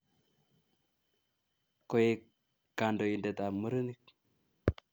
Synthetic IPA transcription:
ko˦je˦ | ka˨ndo˨i˨nde˨t̪a˨mu˦ɾu˦ni˦k̚

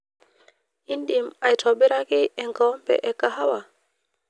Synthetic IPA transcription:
i˦nɗi˨ma˨jtʰɔ˨ɓe˦ɾa˦ki˦e˨ŋɡa˨˦mbḛ˨ʔe˨ka˨ɦa˦wa˨

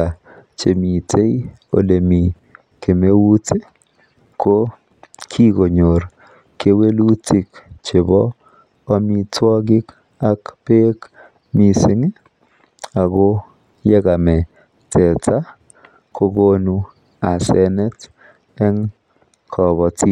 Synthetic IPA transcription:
a˨ | t͡ʃe˨mi˨tʰe˦i˦o̰˨le˨mi˨ | ke˨me˦wu˦te˦ | kʰo˦ | kʰi˦ɡo˨ɲo˨ɾ | ke˦we˦lu˦ti˦kt͡ʃe˨bɔː˦ | mi˦twɔ˦ɡɪ˦k | a˦kpe˦k | mi˨sɪ˦ŋe˦ | a˨ɡo˦ | jɛ˦ɡa˨mɛ˨ | tʰɛ˨tʰa˦ | kʰo˦ɡo˦nu˦ | a˨sɛ˦nɛ˦t | ɛ˦ŋ | kʰɔ˨bɔ˨ti˦

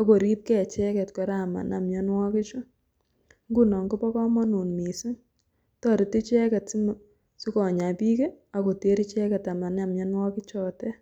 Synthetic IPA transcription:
ɔ˦ko˨ɾi˦p̚kɛ˦˨t͡ʃɛ˦kɛ˨tkɔ˨ɾa˨ma̰˨na˨mɲɔ˦nwɔ˦kɪ˦t͡ʃʊ˦ | ŋɡu˦nɔ˨ŋɡo˦pɔ˦kɔ˦mɔ˦nu˨nmi˨si˦ŋ | tɔ˦ɾɪ˨ti˦t͡ʃɛ˦kɛ˨tsi˦m | si˦kɔ˨ɲa˨pi˦ke˦a˦ko˨te˦ɾi˦t͡ʃɛ˦kɛ˨ta˨ma˨na˨mɲɔ˦nwɔ˦kɪ˦t͡ʃɔ˦tɛ˦

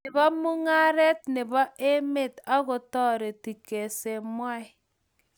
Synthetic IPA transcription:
nɪ˨bɔ˦mu˦ŋa˦ɾɛ˦t̚nɪ˨bɔ˦e˦me˦˨ta˦ɣo˨tɔ˦ɾe˨ti˨ke˨se˨mwa˦ɪ˨

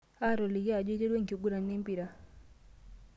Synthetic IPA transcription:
a˦˨ɾɔ˨li˨ɣa˨d͡ʒɛ˦d͡ʒɛ˦dwɛ˦ŋ̩˨ki˨ɡu˦ɾa˨ni˦m˦pi˨ɾa˨

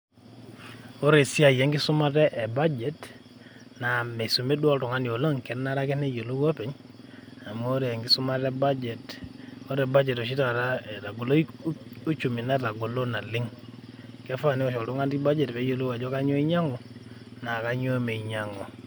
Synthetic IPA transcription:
o˦ɾe˨si˦a˨jɛ˦ŋɡi˦su˦ma˦tɛ˦ʔɛ˨ba˦d͡ʒɛ˦t | na˨me˨su˨me˦du˦ɔ˦ltu˨ŋa˦ni˨o˨lo˦ŋkɛ˨˦na˦ɾa˦kɛ˦ne˦jo˨lu˦wa˦pɛ˨˦ɲ | a˨mo˦ɾe˨ɛ˨ŋɡi˦su˦ma˦tɛ˦ba˦d͡ʒɛ˨to˦ɾɛ˨ba˦d͡ʒɛ˨tɔ˨ʃ̬i˦ta˨ɾa˦e˨ta˨ɡo˨lo˦u˦t͡ʃu˨mi˨na˦ta˨ɡu˨lo˦na˨lɪ˦ŋ | kɛ˦fa˦˨ni˦ɔ˦ʃɔ˨ltu˦ŋa˦nti˦ba˦d͡ʒɛ˨tpɛ˨˦jo˨lu˦wa˨d͡ʒo˦ka˦ɲo˦i˦ɲa˦ŋɔ˨na˨ka˦ɲo˦me˨i˨ɲa˨ŋo˨

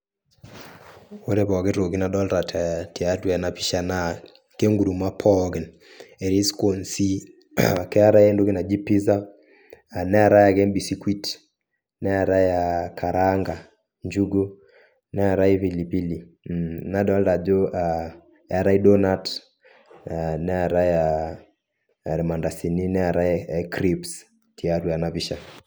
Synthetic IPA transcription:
wo˦dɛ˦pɔ˨ɡɪ˦ɾo˨ki˦na˨ɗɔ˦lɾa˨tʰa˨ti˨a˦twɛ˨na˨pi˦ʃa˨na˦˨ | ke˦ŋɡu˨du˨ma˦pʰɔ˦kɛ˨n | ɛ˨ɾi˦sko˨nsi˦˨ | kɛ˦a˦ɾa˦ɛ˦ndu˦ki˦na˨d͡ʒi˦pi˦za˦ | a˨nɛ˦a˨ɾa˦ja˨kɛ˦mbi˨si˦kwi˦t | nɛ˦a˨ɾa˦ja˨kʰa˨ɾaŋɡa˨ | ɲd͡ʒuɡɔ˦ | nɛ˦aɾa˦ivilipi˦linaɗɔ˦lda˨d͡ʒɔʔa | jaɾa˦iɗɔnat | nɛaɾaɛja | ɾɛmandasi˨ninɛaɾaɛkɾips | ti˨aɾuanaβiʃa

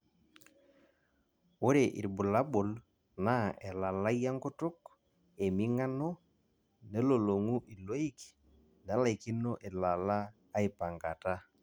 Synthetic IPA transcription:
o˦ɾe˨ʔḭ˨ɾbʊ˨la˦bʊ˨l | na˦e˨la˨la˦ja˦ŋkʊ˦tʊ˦k | e˨mi˦ŋa˦no˦ | ne˦lo˨lo˨ŋu˦ʔi˨lo˦i˦k | n˨a˨˦la˨i˨ki˦no˦ʔe˨la˨laː˦ | ɪ˨pa˨ŋɡa˨ta˦

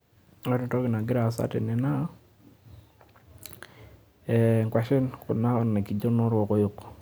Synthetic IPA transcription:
ɔ˦tɔ˦tɔ˦kɪ˨na˨ɡɪ˦ɾa˨sa̰˦tḛ˨nɛ˨na˦ | ɛ˨ŋkwa˨ʃɪ˦nkɔ˨na˦ɔ˨nne˨ki˨d͡ʒo˦nɔ˦ɾwɔ˨kɔ˦jo˨k

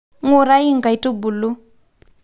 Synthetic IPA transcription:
ŋu˦˨ɾa˦i˦ŋ̩˨ka˨i˨tu˦bu˨lu˦

